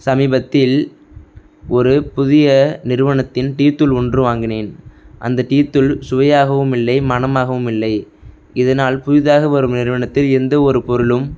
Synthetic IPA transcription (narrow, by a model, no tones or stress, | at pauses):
sɐmiːbɐt̪ːɪl | ɔɾɯpʊðɪjɐnɪɾɯʋɐɳɐt̪ːɪnʈiːt̪ːɯlʊɳdrɯʋaːŋɡɪneːnʔɐ̰nd̪ɐʈiːt̪ːɯlsʊʋɐjaːɣɐʋɯmɪlːɐɪmɐnɐmaːɣɐʋɯmɪlːɐɪ | ɪðɐnaːlpʊðɪðaːɣɐʋɐɾɯmnɪɾɯʋɐɳɐt̪ːɪlɪɾɯnd̪ɐɔɾɯpɔɾɯɭɯm